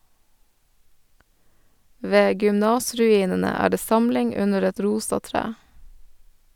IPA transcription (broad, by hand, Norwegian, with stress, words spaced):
ˈʋeː ɡʏmˈnɑːsɾʉˌiːnənə ˈæː ˈɖeː ˈsɑmlɪŋ ˈʉnəɾ ˈɛt ˈɾuːsɑ ˈtɾæː